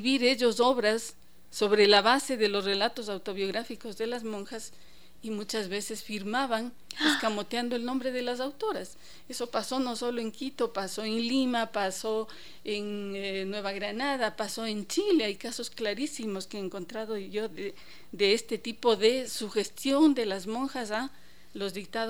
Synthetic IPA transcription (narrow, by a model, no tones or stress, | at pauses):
βiɾe̞ʝoso̞βɾasː | o̞βɾe̞laβase̞ðe̞lo̞sre̞lat̪os̬awt̪o̞βjo̞ɣɾafiko̞zðe̞lazmo̞ŋxas | imut͡ʃazβe̞se̞sfiɾmaβan | eskamo̞t̪jand̪oe̞lnõ̞mbɾe̞ðe̞las̬awt̪o̞ɾas | e̞so̞paso̞no̞solo̞e̞ŋkit̪o̞paso̞eŋlimapaso | ennweβ̞aɣɾanaðapaso̞e̞nt͡ʃileajkaso̞sklaɾisimo̞skeeŋko̞nt̪ɾaðoʝo̞ðe | ðeest̪e̞t̪ipo̞ðe̞suxe̞st̪jo̞nd̪e̞lazmõ̞ŋxas̬a | lo̞zðik̚t̪að